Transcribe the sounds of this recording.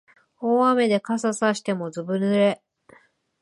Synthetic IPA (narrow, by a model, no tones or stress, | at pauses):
oːame̞d̪e̞kasasaɕi̥t̪e̞mo̞zɨbɯ̟nɨɾe̞